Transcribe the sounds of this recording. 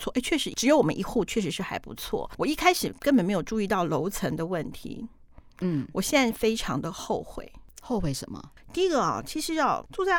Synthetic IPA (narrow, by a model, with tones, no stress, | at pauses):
t͡sʰwɔ˥˧ʔe˥˩ɪt͡ɕʰɥɛ˥˩ʂɻ̩˧˥ʈ͡ʂɻ̩˧˥jo˧˥ʊwɔ˨˩mə̰˦ʔi˧˥xu˥˧t͡ɕʰɥɛ˥˩ʂɻ̩˧˥ʂɻ̩˥˧xa˧˥ɪpṵ˧˥t͡sʰwɔ̰˥˩wɔ˨˩i˥˩kʰa˥ɪʂɻ̩˨˩kə˥npə˨˩nme˧˥ɪjo˨˩ʈ͡ʂu˥˧i˥˧t̪ɑ˥˩ʊlo˧˥ʊt͡sʰə˧˥ŋd̪ə˧wə˥˩nt̪ʰḭ˧˥ | n̩˥wɔ˨˩ɕjɛ˥˧nt͡sa˥˩ɪfe˥ɪʈ͡ʂʰɑ˧˥ŋd̪ə˧xo˥˧ʊxwḛ˥˩ɪxo˥˧ʊxwe˥˩ɪʂə̰˧˥nmɐ̰˧ | t̪i˥˧i˧˥ɡə˧˨ɐ̰˨˩t͡ɕʰi˧˥ʂɻ̩˧˥jɑ˥˧ʊt͡su˥˧t͡sa˥˩